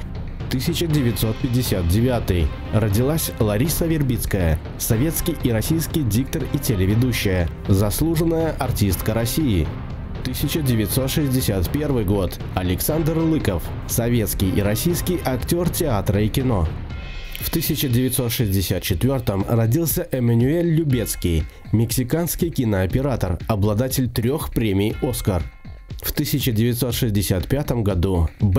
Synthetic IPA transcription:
t̪ɨsʲɪt͡ɕədʲɪvʲɪt̪sot̪̚pʲɪdʲɪsʲat̪̚dʲɪvʲat̪ɨj | ɾədʲɪlˠasʲlˠɐɾʲisəvʲɪrbʲit̪skəjə | sɐvʲe̞t̪skʲɪjʔiɾɐsʲijskʲɪjdʲik̚t̪əritʲɪlʲɪvʲɪd̪uɕːɪjə | zɐslˠuʐɨnːəjəʔɐrtʲist̪kəɾɐsʲiɪ | t̪ɨsʲɪt͡ɕədʲɪvʲɪt̪ʲso̞t̪ʂɨzʲdʲɪsʲat̪pʲe̞rvɨjɡo̞t̪ | ɐlʲɪksand̪rlˠɨkəf | sɐvʲe̞t̪skʲɪjʔiɾɐsʲijskʲɪjʔɐktʲo̞rtʲɪat̪ɾəikʲɪno̞̰ | ft̪ɨsʲɪt͡ɕədʲɪvʲɪt̪so̞t̪ʂɨzʲdʲɪsʲat̪̚t͡ɕɪt̪vʲo̞rt̪əmrɐdʲilˠsʲəʔɛmənʲʊelʲːʊbʲet̪skʲɪj | mʲɪksʲɪkanskʲɪjkʲɪnəɐpʲɪɾat̪ərɐblˠɐd̪atʲɪlʲt̪ɾʲo̞xpɾʲemʲɪjo̞skər | ft̪ɨsʲɪt͡ɕədʲɪvʲɪt̪so̞t̪ʂɨzʲdʲɪsʲat̪pʲat̪əmɡɐd̪ub

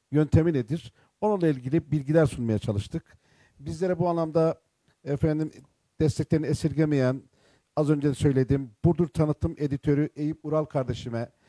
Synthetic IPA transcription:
jø̞nt̪ʰe̞mine̞d̪iɾ̥ | o̞nunlˠailʲɟilʲibilʲɟilʲæɾsunmajat͡ʃʰalˠɯʃt̪ʰɯk | bizlʲe̞ɾɛbuanlˠamd̪a | efænd̪im | d̪̥ɛst̪ʰɛclʲeɾiniesiɾɟemejæn | azø̞nd͡ʒed̪ɛsø̞jlʲe̞d̪imb̥uɾd̪uɾt̪ʰanɯt̪ʰːɯmʔe̞d̪it̪ʰø̞ɾyʔe̞jipuɾalˠkʰaɾd̪e̞ʃimɛ

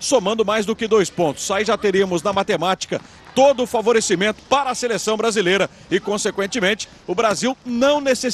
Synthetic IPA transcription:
somɐ̃d̪ʊmajzd̪ʊkɪd̪ojspõnt̪ʊ̥saiʒat̪eɾiɐmʊznɐmat̪emat͡ʃi̥kɐ̰ | t̪od̪ʊːfavoɾesimẽnt̪ʊ̥paɾɐːselesɐ̃w̃bɾazilejɾɐ | ɪkõsekwẽnt͡ʃɪmẽt͡ʃɪ̥ | ʊbɾaziwnɐ̃w̃nese

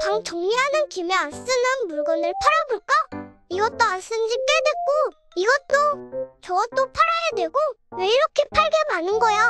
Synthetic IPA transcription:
paŋt͡ɕʌŋɲiɦanɯnkimeans͈ɯnɯnmuɭɡʌnɯɭpʰaɾabuɭk͈aiɡʌt͈oans͈ɯnd͡ʑik͈e̞dwe̞k̚k͈o | iɡʌt͈ot͡ɕʌɡʌt͈opʰaɾajadwe̞ɡoweiɾʌkʰe̞pʰaɭɡe̞manɯnɡʌja

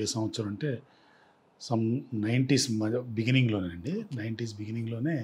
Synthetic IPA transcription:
eːsãːmɐt͡ʃːɐːɾɐɳʈe̞ː | sɐmnɐjɳʈiːsmɐbiɡiniŋɡlo̞ːneɐɳɖinɐjɳʈiːs̬biɡiniŋɡlo̞ːne̞ː

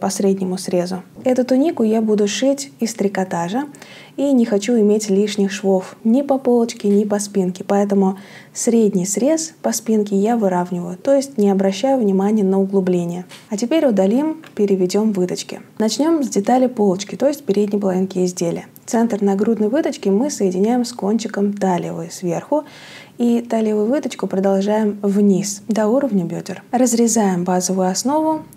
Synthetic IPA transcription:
pɐsɾʲedʲnʲɪmʊsɾʲe̞zʊɛt̪ʊt̪ʊnʲikʊjabud̪ʊʂɨtʲɪst̪ɾʲɪkɐt̪aʐə | inʲɪxɐt͡ɕuɪmʲetʲlʲiʂnʲɪxʂvofnʲɪpɐpo̞lˠət͡ɕkʲɪnʲɪpɐspʲinkʲɪ̥pɐɛt̪əmʊ | sɾʲedʲnʲɪjsɾʲe̞spɐspʲinkʲɪjavɨɾavnʲɪvəjʊt̪o̞jɪsʲtʲnʲɪɐbɾɐɕːæjʊvnʲɪmanʲɪjənəʊɡlˠʊblʲenʲɪjəɐtʲɪpʲeɾʲʊd̪ɐlʲimpʲɪɾʲɪvʲɪdʲo̞mvɨt̪ət͡ɕkʲɪ̰nɐt͡ɕnʲo̞mzʲdʲɪt̪alʲɪpo̞lˠt͡ɕkʲɪt̪o̞jɪsʲtʲpʲɪɾʲedʲnʲɪjpəlˠɐvʲinkʲɪɪzʲdʲelʲɪ̰jət̪sɛnt̪rnɐɡɾud̪nəjvɨt̪ət͡ɕkʲɪmɨsəjɪdʲɪnʲæjɪmsko̞nʲt͡ɕɪkəmt̪alʲɪ̰vəjsvʲe̞rxʊ | it̪alʲɪvʊjʊvɨt̪ət͡ɕkʊpɾəd̪alˠʐajɪmvnʲisd̪ɐuɾəvnʲəbʲodʲɪrrəzɾʲɪzajɪmbazəvʊjʊɐsno̞vʊ

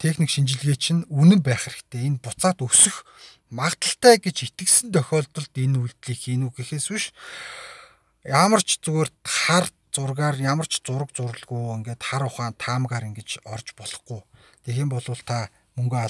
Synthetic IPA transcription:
t̪ʰexnikʃint͡ɕɪ̆ɮɣeːt͡ɕʰĭnunɘ̆mpæːχeɾɘ̆kt̪ʰeːenpʊt͡saːt̪ɵsɵ̆x | maʁt̪ə̆ɬt̪æːɡet͡ɕet̪ɘ̆ksɘ̆nt̪œxʲɔːɮt̪ɞ̆ɮt̪enujɮt̪ɮiːxenuːɡexeːsuʃ | jamə̆r̥t͡ɕʰt͡sueːrt̪χar | t͡sʊrɣaːrjamə̆r̥t͡ɕʰt͡sʊɾə̆kt͡sʊɾə̆ɮɣujeŋɡeːt̪χaɾʊχaːnt̪ʰaːmʁaːɾĭŋɡet͡ɕɔrt͡ɕpɔɮ̥ɞ̆χɡuj | t̪ʰexeːmpɔɮʊːɮt̪ʰa | mɵŋɡeːa

